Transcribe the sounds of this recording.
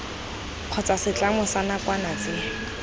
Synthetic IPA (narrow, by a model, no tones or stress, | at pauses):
q͡χʰɔt͡sasɪt͡ɬamʊsanakwanat͡sɪ